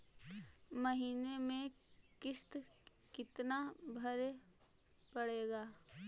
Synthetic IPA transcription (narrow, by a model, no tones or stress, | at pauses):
məɦiːnemẽkɪst̪ | kɪt̪nabʱɐɾe | pəɽeːɡaː